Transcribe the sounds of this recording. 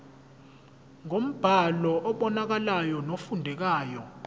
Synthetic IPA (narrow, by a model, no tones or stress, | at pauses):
ŋom̩b̥ʱalɔʔɔɓɔnak̬alajɔnofundʱɛk̬aːjɔ